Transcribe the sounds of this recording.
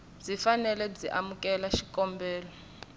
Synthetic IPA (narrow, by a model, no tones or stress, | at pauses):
d͡zifanɛlɛd͡ziʔamukʼɛlaʃikʼɔmbʱɛːlɔ